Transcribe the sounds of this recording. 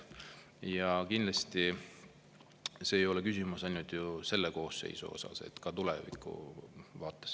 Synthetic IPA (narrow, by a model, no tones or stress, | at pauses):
jɑkind̪lɑst̪i | se̞ːjo̞le̞kysʲimusɑjnult̪ˑjuse̞lːeko̞ːsːe̞̰jsṵo̞̰sɑ̰se̞̰t̪ːˑkɑt̪ulḛvḭkːˑṵvɑːt̪ːˑes